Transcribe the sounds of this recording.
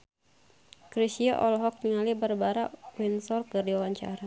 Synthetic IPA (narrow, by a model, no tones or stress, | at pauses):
kɾisiaʔɔlɦɔk̚niŋalibərbaɾawinsɔrkɨrdiwawaɲt͡ʃa̰ɾa